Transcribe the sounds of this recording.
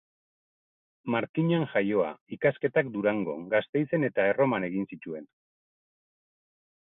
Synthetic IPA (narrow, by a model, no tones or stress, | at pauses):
maɾkiɲanʝajo̞a̰ikaske̞t̪ak̚d̪uɾaŋɡo̞̰ɡast̪e̞jt͡se̞ne̞t̪ae̞ro̞mane̞ɣinsit͡ʃ̪ue̞n